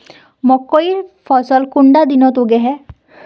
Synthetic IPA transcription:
mɔkːoiɾpʰɔsɔlkuɳɖad̪inɔt̪uɡɛɦɛ

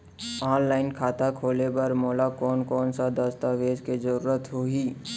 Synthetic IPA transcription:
ɔːnlaːɪnkʰaːt̪akʰoːlepɐɾmoːlakɔːnkɔːnsad̪əst̪aʋeːd͡ʒked͡ʒəɾuːɾət̪ɦoːiː

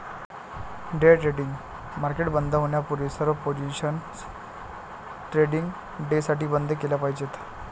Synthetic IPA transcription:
ɖeʈɾeɖiŋɡ | maɾkeʈbənd̪ʱəɦoɳjapuɾisəɾʋpod͡ʑiɕən | ʈɾeɽiŋɡ | ɖesaʈiːbənd̪ʱəkelapaɦid͡ʑet̪

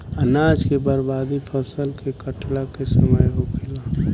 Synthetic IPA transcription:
ənaːd͡ʒkebəɾbaːd̪ipʰəsəlkekəʈʰlakesəməjɦokʰela

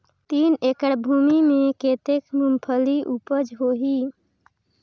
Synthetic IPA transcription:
t̪iːnekəɽbʱuːmimẽkeːt̪ekmumpʰəliʔupəd͡ʒɦoɦiː

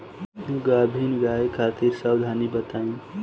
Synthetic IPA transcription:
ũɡabʱinɡaekʰat̪iɾsəbd̪ʱanibət̪aĩn

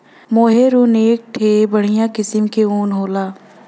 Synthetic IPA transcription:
moːɦeɾuneːk̚ʈʰeːbəɽ̤ijãkɪsəmkeuːnɦoːlaː

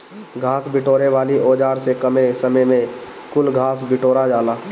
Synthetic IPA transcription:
ɡʱaːsbɪʈoːɾeʋaːliʔoːd͡ʒaːɾsekɐmesəməjmẽ | kʊlɡʱaːsbɪʈoːɾad͡ʒaːlaː

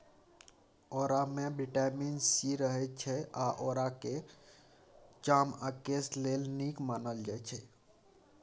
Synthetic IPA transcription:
oɾamebiʈaminsiɾəɦɛt͡ʃʰɛaʔoɾake | t͡ʃaməkeslelnikmanəld͡ʒajt͡ʃʰɛ

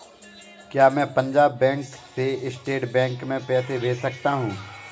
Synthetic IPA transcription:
kjaːmɛ̃ːpɐ̃ɲd͡ʒaːbːɛ̃ːŋkseɪsʈeːʈbɛ̃ːŋkmẽpɛːseʋeːsɐkt̪aɦũː

